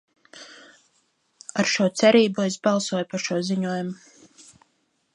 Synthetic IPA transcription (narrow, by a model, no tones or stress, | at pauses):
aɾʃuɔt̪sɛɾiːbuezbɑlˠsuɔjupaɾʃuɔziɲuɔjumu